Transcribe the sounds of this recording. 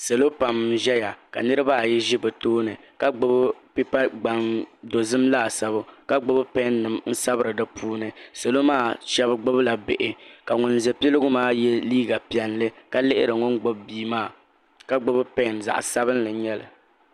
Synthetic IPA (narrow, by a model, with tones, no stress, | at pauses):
sa˨lo˦pa˨mʒɛ˦ja˨ka̰˨nɨ˦ɾɨ˦ba˦˨jɛ˦ʒi˦bɛ˨toː˦nɨ˨ | ka˨ɡ͡bʊ˦bpi˦pa˦ɡ͡ba˨ndo˨zɨ˦mlaː˦˨sa˦bʊ˦ka˦ɡ͡bʊ˦bɨ˦pɛ˦nːɨ˨mn̩˦sa˦bɨ˦ɾɨ˨dɨ˦pʰuː˦nɨ˨sa˨lo˦maː˦˨ʃɛ˦bɨ˦ɡ͡bʊ˦bla˨be˨ʔɪ˨ka˨ŋʊ˨n˦zɛ˨pi˦lɨ˦ɡʊ˦maː˦jɛ˦liː˦ɡa˨pi˨ɛ˨nlɨ˦ka˦lɪ˦ʔɪ̰˦ɾɨ˨ŋʊ˦nɡ͡bo˦bbiː˦maː˦˨ | ka˦ɡ͡bʊ˦bɨ˦pɛ˦˨nza̰˨ʔsa˦bɨ˦n˦lɨ˨ɲɛ˦lɨ̰˨